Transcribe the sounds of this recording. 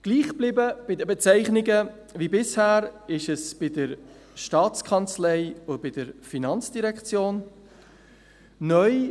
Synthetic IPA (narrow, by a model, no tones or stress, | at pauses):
ɡ̥liːχb̥lɪbəb̥ɪdəbɛt͡sɛɪχnɪɡə | vibɪshæːɾɪʃɛsb̥ɪdəɾ | ʃtɑːt͡skʰɑnt͡slɛɪʊb̥ɪdəɾfinɑnt͡sd̥iɾɛkt͡sjoːn | nœʏ